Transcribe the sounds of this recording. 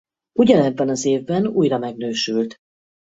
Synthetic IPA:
uɟɒnɛbːɛnɒzeːvbɛnṵːjɾɒmɛɡnøːʃylt̪

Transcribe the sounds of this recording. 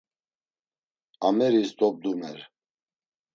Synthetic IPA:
amɛɾisd̪ɔb̚d̪umɛɾ

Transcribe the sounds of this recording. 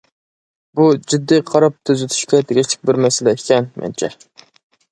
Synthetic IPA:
bud͡ʒyd̪ːiqʰɑɾɑp̚t̪ʰøzyt̪ʰy̥ʃkʲɛd̪ʰɪɡʲɪʃt͡ʃʰɪ̥k̚ʲbɪɾmɛsɪlɛekʲʰɛnmɛ̰nt͡ʃʰɛ

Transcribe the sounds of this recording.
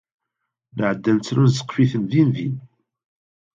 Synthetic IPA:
nəʕəd̪ːænt͡sːɾunzə̥qːfiθənðinvin

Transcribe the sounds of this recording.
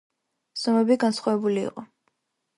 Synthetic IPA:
z̥ɔmɛbiɡansχwavɛbuliḭqʼɔ

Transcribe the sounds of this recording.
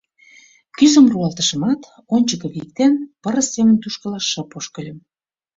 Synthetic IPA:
kyzə̆mruɑlt̪ə̥̆ʃə̆mɑt̪ | onʲt͡ɕəkə̆βik̚t̪enpəɾə̆sːemənt̪uʃkə̆lɑʃːə̆poʃkə̆lʲə̆m

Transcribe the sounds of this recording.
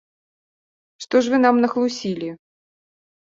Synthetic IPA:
ʂt̪ɔʂvɨnamnɐxlˠusʲilʲi

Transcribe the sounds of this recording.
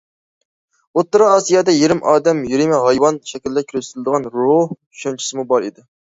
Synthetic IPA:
ot̪ːɨɾɑːsijɑːd̪ɛjeɾɪmʔɑːd̪ɛmjiɾimɪɦɑjwɑnʃɛkʲilːɛkʲʰyɾzyt̪ɪlɨd̪əʁɑnɾoh | ʃent͡ʃʰi̥sɨmubɑɾḭd̪ɪ

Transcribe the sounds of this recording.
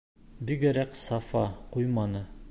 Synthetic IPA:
biɡæɾæksɑfɑqujmɑnɤ

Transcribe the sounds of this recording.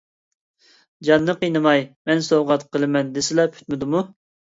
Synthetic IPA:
d͡ʒɑnːɨqijnɨmɑjmɛnsoʁɑt̪qʰəlˠɨmɛnd̪esɪlɛpʰy̥t̪mɪd̪umu

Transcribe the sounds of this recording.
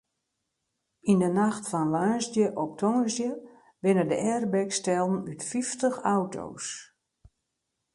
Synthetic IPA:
indənaxtfɔnlœːsdjəʔɔp̚tʰɔŋəzjə | ʋɪnədəʔɛrbɛkstɛlˠn̩ytfiftəxawtʰo̰ːs

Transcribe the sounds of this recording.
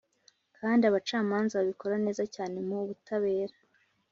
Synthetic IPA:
kʰaːndiaβat͡ʃaːmaːnzaβaβiko̞ɾane̞ːzacaːne̞moβutaβe̞ːɾḁ

